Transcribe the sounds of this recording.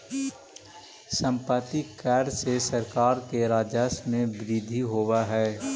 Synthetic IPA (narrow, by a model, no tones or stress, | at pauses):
sə̃mpət̪ikɛːɾsesəɾkaːɾkeɾaːd͡ʒəsmẽʋɪɾɪd̪ʱiɦowaɦɛː